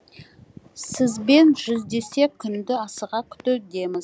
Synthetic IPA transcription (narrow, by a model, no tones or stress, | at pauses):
sɪzbe̞nʒʏzd̪e̞se̞kʲʰʏnd̪ɪɑsəʁɑkʲʰʏ̥t̪ɪd̪e̞mɪz